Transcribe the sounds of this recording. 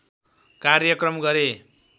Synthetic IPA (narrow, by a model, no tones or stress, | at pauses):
karjʌkrʌmɡʌɾe